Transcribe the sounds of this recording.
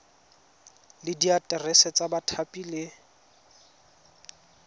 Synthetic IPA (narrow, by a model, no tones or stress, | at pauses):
lɪdiatʼɛrɛsɛt͡sʼabatʰapʼilɪ